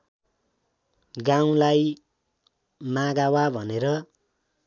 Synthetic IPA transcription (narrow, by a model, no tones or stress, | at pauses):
ɡaw̃laj | maɡawabʱʌneɾʌ